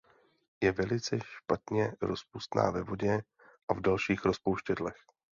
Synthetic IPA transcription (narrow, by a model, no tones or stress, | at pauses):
jɛvɛlɪt͡sɛʃpat̪ɲɛɾo̞spust̪na̰ːvɛvo̞ɟɛ | ʔavdalʃiːxɾo̞spowʃcɛdlɛx